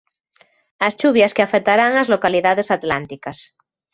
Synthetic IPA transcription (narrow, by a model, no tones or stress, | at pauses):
ast͡ʃuβjaskeafek̚t̪aɾaŋazlokaliðaðesat̪lant̪ikas